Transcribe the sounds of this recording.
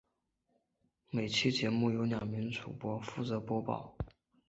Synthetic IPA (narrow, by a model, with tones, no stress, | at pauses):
me˨˩ɪt͡ɕʰi˥t͡ɕjɛ˧˥mu˥˩jo˧˥ʊnjɑ˨˩ŋmi˧˥nʈ͡ʂʰu˨˩pwɔ˥fu˥˩t͡sɤ˧˥pwɔ˥pɑ̰˥˩ʊ